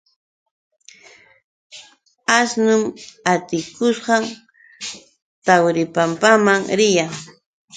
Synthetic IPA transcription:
asnʊmat̪ɪkʊsɢɑŋ | t̪awɾɪpampamaŋɾɪjaŋ

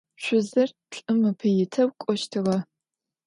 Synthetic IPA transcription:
ʃʷʰʊzɨr | ʈ͡ʂʼɨmɨpʰɨjɪtʰɐwkʷʼɔʃtʰɨʁɐ

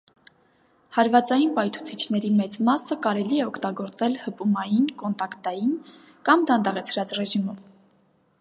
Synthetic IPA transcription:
hɑɾvɑt͡sɑjinpɑjt̪ʰu̥t͡sʰit͡ʃʰn̪ɛɾimɛt͡smɑsəkɑɾɛliɛɔkʰt̪ɑɡɔɾt͡sɛlhəpumɑjinkɔnt̪ɑkt̪ɑjin | kɑmd̪ɑnd̪ɑʁɛt͡sʰɾɑt͡srɛʒimɔv

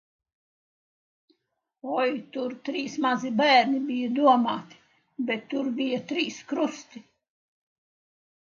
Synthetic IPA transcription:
ɔjt̪uɾt̪ɾiːsmazibæːɾnibijɐd̪uɔmaːt̪i̥ | bɛt̪ːuɾbijat̪ɾiːskɾust̪i

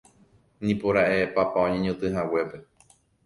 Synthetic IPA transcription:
nĩpoɾaʔepapaõɲẽɲõt̪ɨɦawe̞pe̞

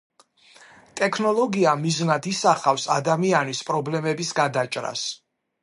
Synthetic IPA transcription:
t̪ʼɛkʰnɔlˠɔɡiamiznad̪isaχafsad̪amianispʼɾɔblɛmɛbisɡad̪at͡ʃʼɾa̰s

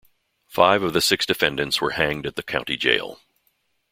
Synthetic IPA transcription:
faɪvʌvðɨsɪksd̥ɨfɛ̃ndɨ̃ntswə̰˞hæ̃ŋdɨt̪̚ðɨkʰãʊ̃tḭd͡ʒḛɪlˠ

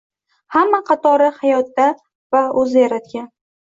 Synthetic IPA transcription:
hamːaqʰɑt̪ʰɒɾɪhajɒt̪ːa | vaɵzɪjaɾat̪̚kʲan

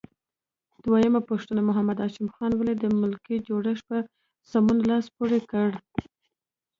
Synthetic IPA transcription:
d̪̥wajəmapaʂt̪unamʊɦamad̪ɑʃɪmxɑnwəlid̪əmʊlkid͡ʒoɽəʂpə | samunalɑspoɽekəɽ

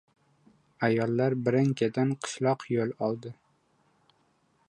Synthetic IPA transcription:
ajɒlˠːaɾbɪɾaŋkʲʰad̪anqʰɨ̥ʃlˠɒqjolˠɒlˠd̪ɪ

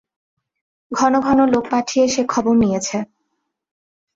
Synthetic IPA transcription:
ɡʱɔnoɡʱɔnolok̚paʈʰijeʃekʰːɔboɾnijet͡ɕʰe

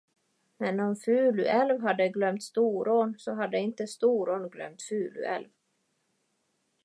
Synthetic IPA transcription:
mɛnɔmfʉ̟ːlʉ̰ʔɛlvɦad̪ːəɡlœmt̪st̪uːɾoːnsɔɦad̪ːəɪnt̪əst̪uːɾoːnɡlœ̰mt̪fʉ̟ːlʉ̰ɛ̰lv

